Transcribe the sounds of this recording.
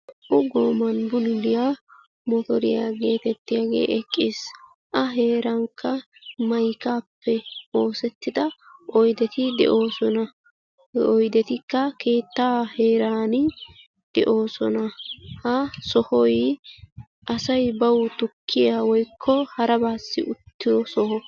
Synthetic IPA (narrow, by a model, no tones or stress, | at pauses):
ʔʊɡoːmɐnbʊnʊd̪ɪja | mɔt̪ɔɾɪja̰ːɡe̞ːt̪ɛt̪ːɪjaːɡḛːʔɛkʼːɪːs | ʔɐɦe̞ːɾɐŋkːɐmɐjkaːpːɛo̞ːsɛt̪ːɪd̪ɐʔɔjd̪ɛt̪ɪd̪ɛ̰ʔo̞ːsɔnɐ | ɔjd̪ɛt̪ɪkːɐke̞ːt̪ːaːhe̞ːɾaːnɪ | d̪̥ɛʔo̞ːsɔnɐhɐsɔhɔj | ʔɐsɐjbɐwʊt̪ʊkʰːɪjaːwɔjkʰːɔhɐɾɐbaːsːɪ̰ʔʊt̪ːɪd̪ɔsɔhɔ